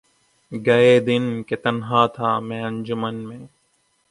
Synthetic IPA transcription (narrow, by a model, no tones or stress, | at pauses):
ɡɐeːd̪ɪnkeːt̪ənɦaːt̪ʰaːmɛ̃ːənd͡ʒʊmənmẽː